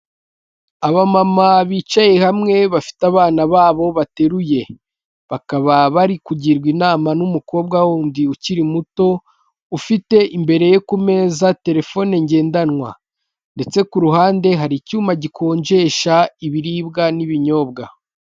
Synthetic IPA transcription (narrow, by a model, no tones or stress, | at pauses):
aβamamaβiːt͡ʃaje̞hamŋe̞βafi̥taβaːnaβaːβo̞βate̞ɾuje̞ | βakaβaβaɾikuɟiɾɡwinaːmanumuko̞ːb̚ɡawondiuciɾimuto̞ | ufite̞ʔimbe̞ɾe̞jokume̞ːzate̞ɾe̞fo̞neɲɟe̞ːndanwa̰ | nde̞t͡se̞kuɾuɦaːnde̞ɦaɾicuːmaɟikʰo̞ːɲd͡ʒe̞ʃaiβiɾiːbɡaniβiɲo̞ːb̚ɡa